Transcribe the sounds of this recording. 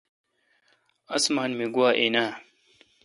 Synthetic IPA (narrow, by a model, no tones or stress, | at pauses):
ɐsmaːnmeɡuwaːʔenaː